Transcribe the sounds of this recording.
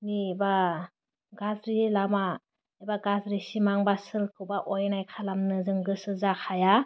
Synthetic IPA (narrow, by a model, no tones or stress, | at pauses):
niba | ɡazɾilama | ebaɡazɾisimaŋbasɯlkʰɯwbaʔɔjnajkʰalamnɯzɯŋɡɯsɯzakʰaja